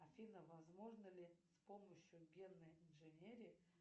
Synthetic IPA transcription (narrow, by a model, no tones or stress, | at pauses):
ɐfʲinəvɐzmo̞ʐnəlʲɪspoməɕjʊɡʲenːəjɪnʐɨnʲeɾʲɪ